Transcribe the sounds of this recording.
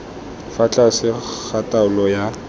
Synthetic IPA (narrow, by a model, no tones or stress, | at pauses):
fat͡ɬʼasɪk͡xʰatʼaʊlɔja